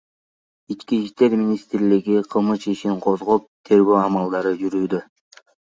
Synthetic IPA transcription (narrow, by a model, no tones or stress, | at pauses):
it͡ʃkiʃt̪e̞ɾmʲinʲist̪ɾliɡiqʰɯlˠmɯt͡ʃiʃiɴqʰo̞zʁop̚t̪ʰe̞ɾɡøːɑmɑlˠd̪ɑɾɯd͡ʒyɾyːd̪ø